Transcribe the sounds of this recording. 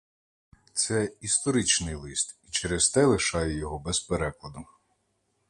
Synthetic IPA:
t̪sɛist̪ɔɾɪt͡ʃnɪjlˠɪst̪it͡ʃeɾest̪ɛlˠɪʃɑjɛjɔɦɔbɛzpeɾɛklˠɐd̪ʊ

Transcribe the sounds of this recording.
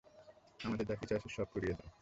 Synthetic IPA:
amad̪eɾd̪akit͡ɕaʃʰeɾʃɔb̚koɾijed̪a

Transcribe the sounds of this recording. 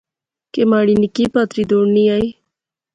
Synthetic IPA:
kemaːɽinikipaːt̪ɾid̪oɳniaj

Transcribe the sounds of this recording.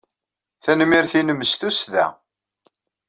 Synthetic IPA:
θænmiɾθinəmːəsθusðæ̰

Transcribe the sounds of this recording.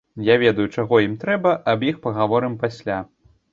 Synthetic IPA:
javʲɛd̪ɐjut͡ʂaɣɔjimt̪ɾɛbɐʔɐbjixpɐɣavɔɾɨmpasʲlʲa

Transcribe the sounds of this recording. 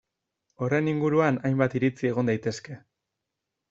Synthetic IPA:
o̞reniŋɡuɾuanajmbat̪iɾit͡sie̞ɣo̞nd̪ajt̪e̞ske̞

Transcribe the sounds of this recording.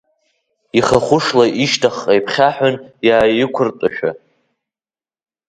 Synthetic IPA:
iχaχʷʊʂlaʔiʃtʰaχajpʰχʲaħʊnjaːjɪkʷʰʊrtʼaʃᶣa̰

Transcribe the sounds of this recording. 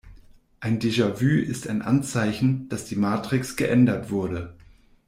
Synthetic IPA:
ʔaɪndeʒavyːɪstaɪnʔa̰nt͡saɪçn̩d̥asd̥iːmaːtʁ̥ɪksɡ̥əʔɛndɐtv̥ʊɐdə

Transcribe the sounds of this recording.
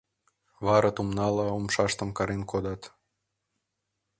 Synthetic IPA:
βɑɾɑt̪umnɑlɑumʃɑʃt̪ə̆mkɑɾenkod̪ɑt̪

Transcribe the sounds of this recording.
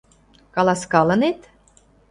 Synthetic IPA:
kɑlɑskɑlɤ̆net̪

